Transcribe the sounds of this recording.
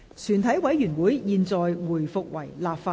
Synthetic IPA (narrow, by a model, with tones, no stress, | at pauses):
t͡ʃʰyː˨˩nt̪ʰɐ˨˥jwɐ˨˥jjyː˨˩nwuː˨˥jjiː˨˧nt͡sɔː˨˧jwuː˨˩jfʊ˨k̚wɐ˨˩jlaː˨˧p̚faː˧